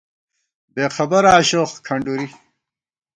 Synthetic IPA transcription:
beːxʰɐbɐɾaːɕoχkʰɐɳɖuɾi

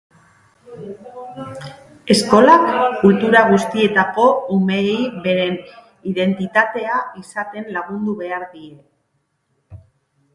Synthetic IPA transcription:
e̞sko̞lakːult̪uɾaɣ̞ust̪ie̞t̪ako̞umejβe̞ɾe̞n | iðe̞nt̪it̪at̪e̞aisat̪e̞nlaɣ̞und̪uβe̞aɾðiɾe̞

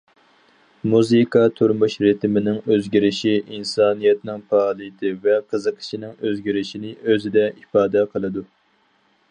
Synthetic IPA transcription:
muzɨkʰɑt̪ʰuɾmuʃɾɪt̪ʰɪmɪnɪŋøzɡʲiɾɪʃiʔinsɑːnijɛt̪nɪŋpɑːlˠɨt̪ʰɨvɛqʰəzəqʰə̥ʃinɪŋøzɡʲiɾɪʃinɪʔøzɪd̪ɛifɑːd̪ɛqʰəlˠɨd̪u

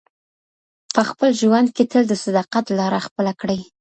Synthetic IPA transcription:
pəxpəlʒwand̪̚ket̪ʰəld̪əsad̪ɑqat̪lɑɾaxpəlakɽəj

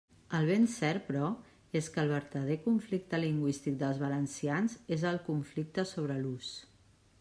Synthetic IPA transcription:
əlˠβ̞ensɛɾpɾɔ | eskəlˠβəɾt̪əð̞ekuɱflik̚t̪əliŋɡwist̪ik̚d̪əlˠzβələnsianzezəlˠkuɱflik̚t̪əsoβɾəlus

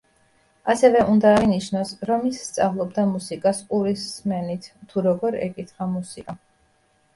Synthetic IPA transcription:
asɛvɛʔund̪aːiniʃnɔsɾɔmisːt̪sʼavlˠɔbd̪amusikʼaskʼuɾisːmɛnit̪ʰt̪ʰːuɾɔɡɔɾɛ̰kʼit̪χamusikʼa

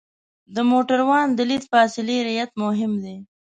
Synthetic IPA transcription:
d̪əmoʈaɾwɑnd̪əlit̪fɑːsɪleɾajat̪mʊɦɪmd̪e

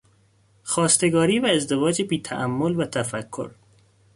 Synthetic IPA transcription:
xɒːst̪eɡɒːɾiːvæezd̪evɒːd͡ʒebiːt̪ʰæ̰ʔæmːolvæt̪ʰæfækʰːo̰ɾ

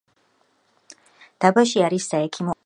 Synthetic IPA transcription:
d̪̥abaʃiaɾisːaɛkʰimɔ

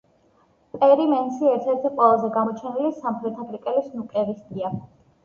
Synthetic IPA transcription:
pʼɛɾimɛnsiɛɾt̪ʰɛɾt̪ʰiqʼwɛlˠazɛɡamɔt͡ʃʰɛnilisamχɾɛt̪ʰakʰʼɾikʼɛlisnukʼɛɾist̪ʼia

